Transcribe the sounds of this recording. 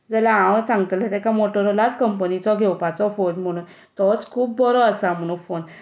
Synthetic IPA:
d͡zəlaãwsãŋɡət̪lɛt̪ɛkamoʈɔɾɔlat͡skəmpənit͡sɔɡʱewpat͡sɔfonm̤əɽ̃uːnn | t̪ɔt͡skʰuːp̚bɔɾɔəsam̤əɽ̃ufon

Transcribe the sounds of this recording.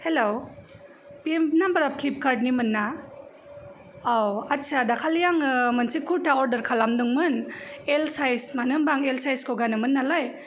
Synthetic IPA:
helo | piembnambaɾapʰlip̚kaɾd̚nimɯnːa | awatt͡ʃadakʰaljaŋɯmansikʰuɾtaɔɾdəɾkʰalamdɯŋmɯnelsajsmanɯmbaŋelsajskoɡanɯmɯnːalaj

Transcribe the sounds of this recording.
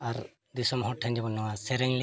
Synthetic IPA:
aɾ | d̪isɔmɔɦɔʈʰːaɲd͡ʒɔbɔnːɔwasɛɾɛŋl

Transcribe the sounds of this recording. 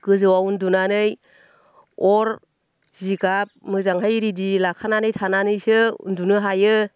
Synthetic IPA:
ɡ̥ɯzɯwaundunanɯj | ɔɾ | ziɡap̚mɯzaŋɦajɾidilakʰananɯjtʰananɯjsɯṵndunɯɦajɯ

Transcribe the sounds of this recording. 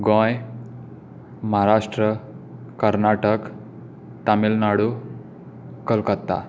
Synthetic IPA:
ɡõj | məɦaɾaʂʈɾə | kəɾnaʈək | t̪amilnaɽu | kəlkət̪ːa̰

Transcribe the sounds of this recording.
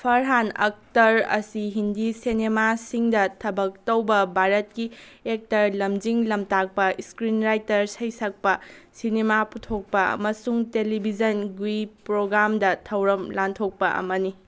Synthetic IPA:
pʰɐɾɦanɐ̰k̚tɐɾɐ̰siɦindisenemasiŋdɐtʰɐbɐk̚tɐwbɐbʱaɾɐt̚kiek̚tɐɾlɐmd͡ʒiŋlɐmtak̚pɐiskɾinɾajtɐɾsɐjsɐk̚pɐsinemaputʰok̚pɐɐ̰mɐsuŋtelibʱid͡ʒɐnɡwipɾoɡɾamdɐtʰɐwɾɐmlantʰok̚pɐʔɐ̰mɐni

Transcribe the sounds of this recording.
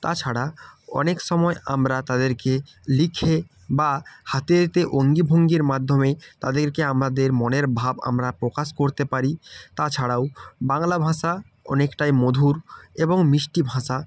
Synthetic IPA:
t̪at͡ɕʰaɽaɔ̰nekʃɔmɔeʔamɾat̪ad̪eɾke | likʰe | bahat̪et̪eʔoŋɡibʱoŋɡiɾmad̪ʱːomet̪ad̪eɾkeamɾad̪eɾmɔneɾbʱaba̰mɾapɾokaʃkoɾt̪epaɾit̪at͡ɕʰaɽawbaŋlabʱãʃa | ɔ̰nekʈajmod̪ʱuɾeboŋmiʃʈibʱãʃa

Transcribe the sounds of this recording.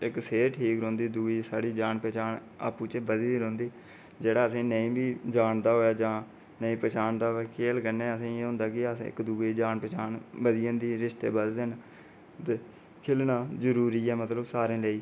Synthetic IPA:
ɪkseːʈʰiːkɾõːnd̪iːd̪uːiːsaːɽiːd͡ʒaːnpɛːt͡ʃaːɳ | a̰ːpuːt͡ʃebəd̪iːd̪iːɾõːnd̪iː | d͡ʒeːɽaːəsĩːnəĩːbiːd͡ʒaːɳd̪aːɦoːjaːd͡ʒãː | nəĩːpɛːt͡ʃaːɳd̪aːɦoɛːkʰeːlkəneːəsĩːeːɦʊ̃nd̪aːkɪəsːɪ̰kd̪uːeːd͡ʒaːnpɛːt͡ʃaːnbəd̪ɪjə̃ːnd̪iːɾɪʃt̪ḛːbəd̪d̪en | t̪e | kʰɪlnaːzəɾuːɾiːɛːmət̪ləbsaːɾẽːləiː

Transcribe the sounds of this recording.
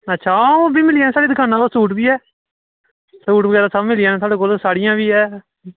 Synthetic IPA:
ətːʃʰaːobiːmɪlɪɛːnɛːsaːɽiːd̪ɪkʰaːnːãːloːsuːʈbiːɛː | suːʈbəɡɛːɾaːsəmɪlijɛːnːt̪ʊaːɽeːkoːlsaːɽɪjãːbiːɦɛː

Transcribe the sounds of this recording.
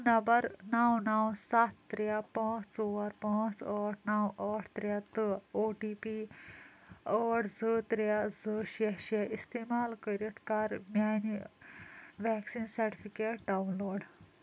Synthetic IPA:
nɐmbəɾnawnawsat̪ːɾjapãːt͡st͡soaɾpãːt͡səːʈʰnawʔəːʈʰt̪ɾjat̪əoʈipi | əːʈʰd͡zət̪ɾjad͡zəɕeɕaʔist̪emaːlkəɾjət̪ʰkaːɾmjani | ʋɛksiːnsɐɾʈifikeʈ̚ɖawunloːɖ

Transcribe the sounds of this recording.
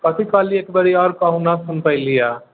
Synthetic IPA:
kɐt̪ʰikaːlieːkbɐɾiɔːɾkaɦunasʊnpəilijaː

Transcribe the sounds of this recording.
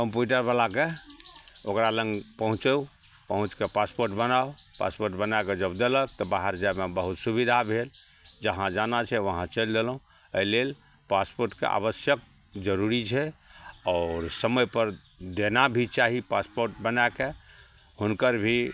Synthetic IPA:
kəmpjuʈəɾbalake | okɾaləŋɡpəɦũt͡ʃəu | pəɦũt͡ʃkepaspoɾʈbənaopa̰spoɾʈbənaeked͡ʒəbd̪elək̚t̪ɔbaɦəɾd͡ʒamebəɦut̪subid̪ʱabʱel | d͡ʒəɦãd͡ʒanat͡ʃʰɛʋəɦãt͡ʃəld̪elɦũ | eilel | paspoɾʈkḛʔa̰βəsjək̚ | d͡ʒəɾuɾit͡ʃʰɛɔɾsəməjpəɾ | d̪enabʱit͡ʃaɦipaspoɾʈbənaeke | hunkəɾbʱi

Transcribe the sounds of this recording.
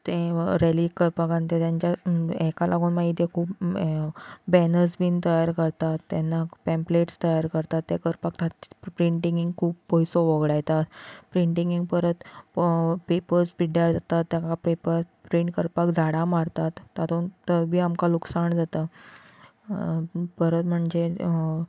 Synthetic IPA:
t̪ẽɾelikəɾpakãnt̪et̪jãɲt͡ɕjaɛkalʔaɡuːnmaɦit̪jekʰuːp | bɛnəɾsbiːnt̪əjaɾkəɾt̪at̪ːanːapɛ̃mpleʈst̪əjaɾkəɾt̪at̪ːekəɾpakt̪apɾiɳʈiŋɡiŋɡkʰuːppːɔjsoʋəɡɽajt̪at̪pɾiɳʈiŋɡiŋɡpəɾət̪ | pepəɾspiɖjaɾd͡zat̪at̪ːjãkapepəɾpɾiɳʈkəɾpakd͡zʱaɽamaɾt̪at̪ːat̪ont̪əbʱiːamkaluksaɳd͡zat̪a | pəɾət̪m̤əɳd͡ze

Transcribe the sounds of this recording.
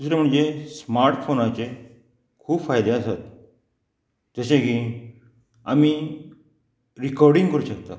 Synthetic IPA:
t̪usɾem̤əɳd͡zesmaɾʈfonat͡ɕe | kʰuːpfajd̪easat̪ | d͡zəsẽki | ami | ɾikɔɾɽĩŋɡkəɾuɕəkt̪a

